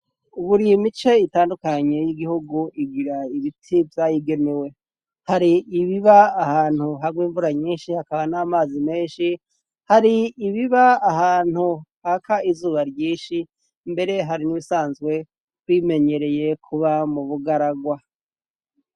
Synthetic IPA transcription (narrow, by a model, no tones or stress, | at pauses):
uβuɾiimit͡ʃe̞itaːndukaɲe̞jiɡihuɡuʔiɡiɾaiβitʰivjaːjiɡe̞ne̞we̞ | haɾiːβiβaːhaːn̥huɦaɡwiːɱvuɾaɲiːnʃihakaβanaːmaːzimeːnʃi | haɾiːβiβaːhaːn̥huhakaizuːβaɾjiːnʃi | mbe̞ɾe̞ɦaɾiniβisaːnzɡwe̞ | wime̞ɲe̞ɾe̞je̞kʰuβamuβuɡaɾaɡwa